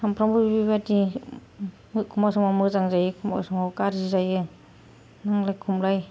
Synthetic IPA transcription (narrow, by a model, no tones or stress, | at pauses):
ampʰɾambɯbibibati | mɯkʰumasɔmawmɯzaŋzajɯkʰuma̰sɯmawkaɾzizajɯ | naŋlajkʰumlaj